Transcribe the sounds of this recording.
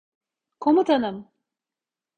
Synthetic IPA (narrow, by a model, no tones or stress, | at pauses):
kʰomut̪ʰanɯm